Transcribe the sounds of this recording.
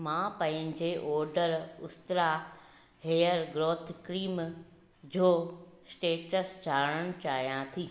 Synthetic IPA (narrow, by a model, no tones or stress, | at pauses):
mãːpɐ̃ɦɪ̃ɲd͡ʑeʔɔːɾɖəɾʊst̪ɾa | ɦeːjəɾɡɾoːt̪ʰkɾiːm | d͡ʑoːsʈeːʈəsd͡ʑʱaːɽ̃əɽ̃̆t͡ɕaːɦijãt̪ʰiː